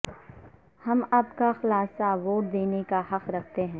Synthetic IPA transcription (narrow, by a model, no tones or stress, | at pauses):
hɐmaːpkaxlaːsaʋoːʈ̚d̪eːnekahɐqɾɐk̚ʰt̪eɦɛ̃ː